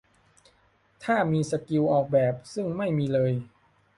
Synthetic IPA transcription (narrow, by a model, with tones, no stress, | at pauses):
t̪ʰaː˥˩miː˧sa˧ki˧wʔɔː˨˩k̚bɛː˨˩p̚sɯ˥˩ŋma˥˩jmiː˧lɤː˧j